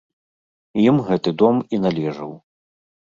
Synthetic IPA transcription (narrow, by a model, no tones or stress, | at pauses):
jimɣɛt̪ɨd̪ɔminalʲɛʐɐw